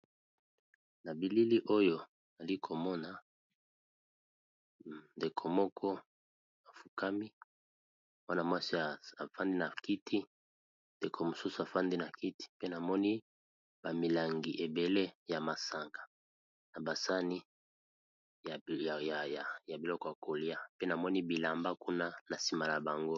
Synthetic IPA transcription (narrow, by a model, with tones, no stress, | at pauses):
na˨bi˨li˦li˦ʔo˦jo˨ | na˨li˦kʰo˨mɔ˦na˨ | nde˨kʰo˨mɔ˦kʰɔ˦ | a˨fu˨ka˦mi˦ | mwa˦na˨mwa˦si˦a˨a˨fa˦ndi˦na˨ki˦tʰi˦ | nde˨kʰo˨mo˨su˦su˨a˨fa˦ndi˦na˨ki˦ti̥˨pe˦na˨mɔ˦ni˦ | ba˨mi˨la˨ŋɡi˨ʔe˨be˨le˦ja˨ma˨sa˨ŋɡa˨ | na˨ba˨sa˦ni˦ | ja˨ja˨ja˨ja˨bi˨lɔ˦kɔ˦ja˨kʰo˨li˦a˦pe˦na˨mɔ˦ni˦bi˨la˨mba˦ku˦na˦na˨si˨ma˨la˨ba˨ŋɡo˦